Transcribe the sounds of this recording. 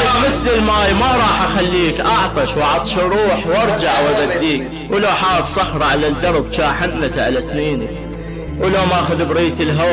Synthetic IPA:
mɪθlɪlmaːjmaɾˤɑːħʔaxalːiːkʔɑʕt̪ˤɑʃwɑʕɑt̪ˤʃɾˤuːħwʔɑɾˤd͡ʒaʕwabad̪ːiːk | wɪlaħaːbsˤɑxɾˤɑʕalad̪ɑɾˤbt͡ʃaːħannat̪aʕalasniːni | wlamaʔaxʊðbɾiːt̪ɪlɦa

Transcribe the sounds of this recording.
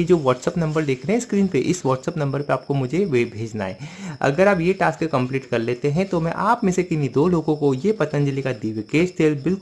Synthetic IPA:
ed͡ʒoːʋɔːʈsəpnɐ̃mbəɾd̪eːkʰɾeɦɛ̃skɾiːnpeʔɪsʋɔːʈsəpnɐ̃mbəɾpeaːp̚komʊd͡ʒʱeʋeːbʱeːd͡ʒna̰ːḛːɐ̰ɡəɾaːpjeʈaːskkɐ̃mpliːʈkɐɾleːt̪eɦɛ̃t̪omɛ̰̃ʔaːpmẽsekɪnid̪oːloːɡõkojepɐt̪ə̃nd͡ʒəlikad̪iːʋekeːst̪ʰeːlbɪlk

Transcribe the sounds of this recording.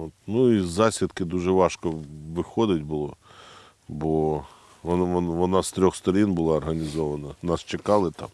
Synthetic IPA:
ot̪nuizɑsʲɪd̪kɪd̪uʒɛʋɑʃkɔʋɪxɔd̪ɪtʲbʊlˠɔ | bɔ | ɔnɔʋɔnɑst̪ɾʲɔxst̪ɔɾʲinbʊlˠɑːrɦɐnʲizɔʋɐnɐnɑst͡ʃekɑlˠɪt̪ɑ̰m

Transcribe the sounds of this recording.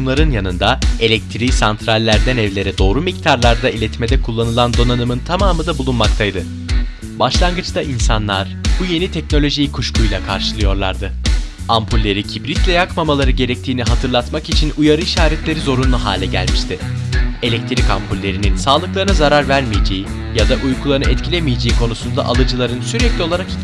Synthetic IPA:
unlˠaɾɯnjanɯnd̪ae̞lʲɛc̚t̪ʰɾisant̪ʰɾalʲːæɾd̪ænɛvlʲe̞ɾɛd̪o̞ːɾumic̚t̪ʰaɾlˠaɾd̪ailʲɛt̪ʰme̞d̪ɛkʰulˠːanɯlˠand̪o̞nanɯmɯnt̪ʰamaːmɯd̪abulˠunmakt̪ʰajd̪ɯ | baʃlˠanɡɯt͡ʃt̪aʔinsanlˠaɾ̥ | buje̞nit̪ʰɛcno̞lʲo̞ʒijikʰuʃkujlʲˠakʰa̰ɾʃɯlˠɯjo̞ɾlˠaɾd̪ɯ | ampʰulʲːe̞ɾicʰibɾit̪lʲɛjakmamalˠaɾɯɟe̞ɾɛc̚t̪ʰiːniɦat̪ʰɯɾlˠat̪makit͡ʃʰinujaɾɯiʃaːɾɛt̪lʲe̞ɾizo̞ɾunlːˠuɦa̰ːlʲɛɟæ̰lʲmiʃt̪ʰɪe̞lʲɛct̪ʰiɾika̰mpʰulʲːe̞ɾininsaːlˠɯklˠaɾɯnɯzaɾaɾvæɾmijed͡ʒe̞ji | jad̪aʔujkʰulˠaɾnɯɛt̪cʰilʲemijed͡ʒe̞jikʰo̞nusund̪a̰ʔalˠɯd͡ʒɯlˠaɾɯnsyɾɛclʲio̞lˠaɾak

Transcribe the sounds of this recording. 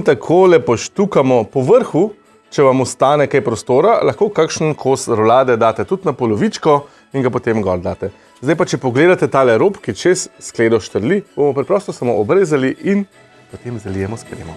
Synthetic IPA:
nt̪akʰoːlɛpɔʃt̪ukamɔpɔʋəɾxu | t͡ʃɛʋamust̪aːnɛkajpɾɔst̪oːɾalaxkoːkakʃn̩kʰosɾɔlaːd̪ɛd̪aːt̪ɛt̪ut̪napɔlɔʋit͡ʃkɔ | iŋɡapɔt̪emɡɔ̰ɾd̪aːt̪ɛ | zd̪ajpat͡ʃɛpɔɡleːd̪at̪ɛt̪aːlɛɾoːpkit͡ʃesːkleːd̪ɔʃt̪əɾlib̥omɔpɾɛpɾɔst̪ɔsamo̰ʔɔbɾeːzaliʔin | pot̪emzalijɛmɔspɾḛmɔ

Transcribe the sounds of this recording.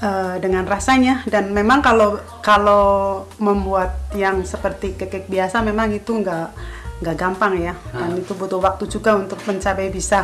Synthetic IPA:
əːdəŋanrasaɲadanmemaŋkalo | kaloməmbuat̪̚jaŋsəpərt̪ikəkaɪk̚biasamemaŋit̪uŋɡaŋɡaʔɡampaŋjadanit̪ubut̪ʊhwak̚t̪ud͡ʒuɡaunt̪ʊk̚məɲt͡ʃapajbisa

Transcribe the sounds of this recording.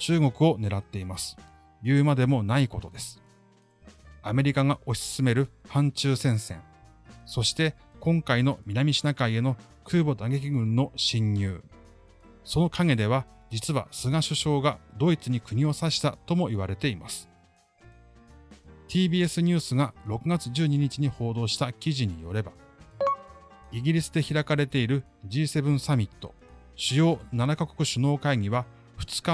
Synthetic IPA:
t͡ɕɨːɡo̞kɯ̟o̞ne̞ɾat̪ːe̞imasɨ̥ | bʲɯːmad̪e̞mo̞naiko̞t̪o̞d̪e̞sɨ̥ | ame̞ɾʲikaŋaʔo̞ɕisɨ̥sɨme̞ɾɯ̟hãɲt͡ɕɨːsẽ̞ɰ̃sẽ̞ŋ | so̞ɕi̥t̪e̞ | kõ̞ŋkaino̞mʲinamʲiɕinakaie̞no̞ | kɯ̟ːbo̞d̪aɡe̞k̬ʲiɡɯ̟̃nːo̞ɕĩɲːɨː | so̞no̞kʰaŋe̞d̪e̞β̞a | d͡ʑit͡sɨβa̰sɨɡaɕɨɕo̞ːɡad̪o̞it͡sɨɲ̟ikɯ̟ɲ̟io̞saɕi̥t̪at̪o̞mo̞iβaɾe̞t̪e̞ima̰sɨ̥ | t̪ʲʰiːbʲiːe̞sɨɲ̟ʲɨːsɨɡaɾo̞kɯ̟ɡat͡sɨʑɨːɲ̟iɲ̟it͡ɕiɲ̟iho̞ːd̪o̞ːɕi̥t̪akʲiʑiɲ̟ijo̞ɾe̞ba | iɡʲiɾʲisɨd̪e̞çiɾakaɾe̞t̪e̞iɾɯ̟ | d͡ʑiːse̞bɯ̟̃ɰ̃samʲit̪ːo̞̰ | ɕɨjo̞ːnanakako̥kɯ̟ɕɨno̞ːkaiɲʲiβa | ɸɯ̟̥t͡sɨ̥ka

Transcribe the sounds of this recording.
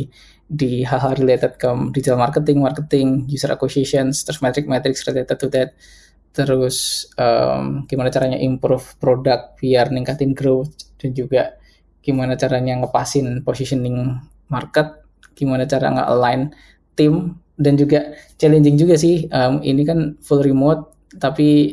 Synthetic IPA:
diɦaɦaɾilet̪ət̪̚kəmdizɛlmarkət̪ɪŋmarkət̪ɪŋjusəɾʔa̰kosiesɔnst̪ɾɔsmat̪ɾɪk̚mɛt̪ɾɪksrilet̪ət̪ːut̪ɛt̪̚ | t̪əɾʊsə̰mɡ̥imanat͡ʃaɾaɲa̰ʔimpɾʊfpɾodak̚t̪̚biarniŋkat̪ɪnɡɾot̪d̥and͡ʒuɡa | ɡ̥imanat͡ʃaɾaɲaŋəpasɪnposisɔnɪŋ | markət̪̚ | ɡ̥imanat͡ʃaɾa̰ŋə̰ʔɔ̰nlan | t̪ɪm | dand͡ʒuɡat͡ʃɛlɛɲd͡ʒɪŋd͡ʒuɡas̬ɪhʔəmḭnikanfulɾimot̪̚ː | api

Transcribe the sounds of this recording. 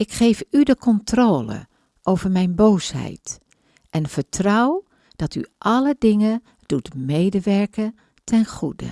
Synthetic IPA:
ɪkχejfydəkʰɔntroːlə̰ | ʔowvəɹmɛjnboːshɛ̰jt | ʔɛnv̥əɹtrɔw | d̥ɑty̰ʔɑlədɪŋə | d̥utmejdəʋɛɹkə | tʰɛnχudə̰

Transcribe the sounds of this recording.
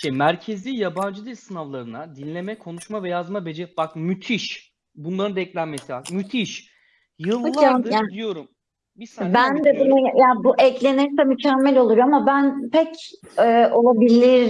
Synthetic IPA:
ʃimæɾcʰe̞zijaband͡ʒɯd̪isɯnavlˠaɾɯnad̪inlʲe̞mɛkʰo̞nuʃmavɛjazmabe̞d͡ʒɛbak̚myt̪ʰiʃ | bunlˠaɾɯnd̪ɛclʲænmesibakmyt̪ʰiʃ | jɯlˠaajad̪ijo̞ɾum | bisbænd̪ɛbunujjaːbuʔɛclʲe̞niɾisɛmycʰæmːɛlʲo̞lˠuɾjoamabænpʰɛc | ɛːʔo̞lˠabilʲiɾ

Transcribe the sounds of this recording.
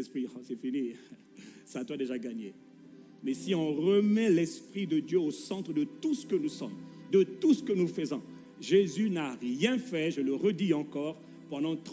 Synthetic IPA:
spχisɛfini | saat̪wad̪eʒaɡaɲe | mɛsiɔ̃ʁəmɛlɛspχid̪əd̪jøosɑ̃t̪χəd̪ət̪usə̥kənusɔmd̪ət̪usə̥kənufəzɔ̰̃ | ʒezynaʁjɛ̃fɛʒələʁəd̪iɑ̃kɔːʁ | pɑ̃d̪ɑ̃t̪

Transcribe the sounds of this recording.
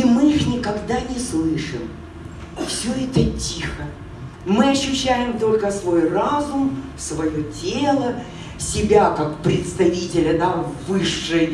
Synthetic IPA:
imɨixnʲɪkɐɡd̪anʲɪslˠɨʂɨm | fsʲɵɛt̪ətʲixə | mɨɐɕːʉɕːæjɪmt̪o̞lʲkəsvo̞jrazʊm | svɐjotʲelˠə | sʲɪbʲakakpɾʲɪt̪st̪ɐvʲitʲɪlʲəd̪avɨʂːɨj

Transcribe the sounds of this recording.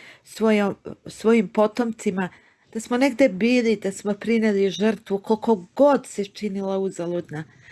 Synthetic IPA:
sʋojomsʋo̞jimpo̞t̪o̞mt̪sima | d̪̥asmone̞ɡd̪e̞biːlid̪asmopɾineliʒr̩t̪ʋukolko̞ɡo̞d̪set͡ʃinilauzalˠud̪na

